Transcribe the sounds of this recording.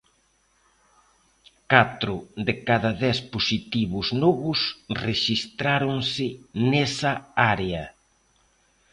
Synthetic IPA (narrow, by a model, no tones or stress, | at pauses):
kat̪ɾʊðekaðɐðɛsposit̪iβʊznɔβʊsreʃist̪ɾaɾoŋsɪnɛsɐaɾeɐ